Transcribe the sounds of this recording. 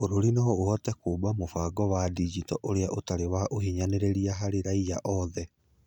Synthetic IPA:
oɾoɾinaɔohɔtɛkoːbamofaɡɔwadid͡ʒitɔʔoɾeaʔotaɾewaʔohiɲaneɾeɾiaɦaɾeɾaijaʔɔðɛ

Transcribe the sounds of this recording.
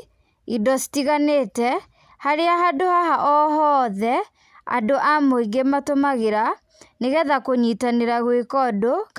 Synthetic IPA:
idɔsi̥tiɣaneːtɛ | haɾeahadohaɦaʔɔɦɔðɛ | a̰doʔamoiŋɡematomaɣeɾa | neɣɛðakoɲitaneɾaɣwekɔdok

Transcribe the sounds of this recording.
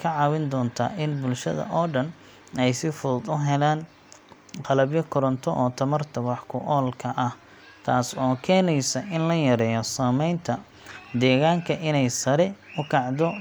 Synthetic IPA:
kʰɐʕɑːwɪnd̪ɔːnt̪ʰa̰ːʔɪnbʊlʃɐ̰ðɐ̰ʔɔːɖɐn | ɛjsɪfʊd̪ʊɦɛlaːn | qɑlɐbjɐkʰɔɾɔnt̪ʰɔʔɔːt̪ʰɐmɐrt̪ʰɐwɑħkʰʊʔɔːlkʰɐʔɐh | t̪ʰa̰ːsɔːkʰɛːnɛjsɐʔɪnlɐjɐɾɛːjɔsaːmɛjnt̪ʰɐ | d̪ɛːɣaːŋkʰɐʔɪnɛjsɐɾɛʊkʰɑʕd̪ɔ

